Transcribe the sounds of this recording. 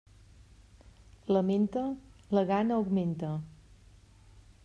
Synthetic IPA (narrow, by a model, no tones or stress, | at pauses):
ləment̪ələɣanəuɡment̪ə